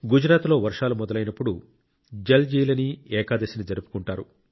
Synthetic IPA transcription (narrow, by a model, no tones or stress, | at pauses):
ɡud͡ʒɾaːt̪lo̞ːʋɐɾʂaːlumɔd̪ɐlɐjnɐpːuɽu | d͡ʒeld͡ʒiːlɐniɛːkaːd̪ɐsinid͡ʒɐɾupu̥kuɳʈaːɾu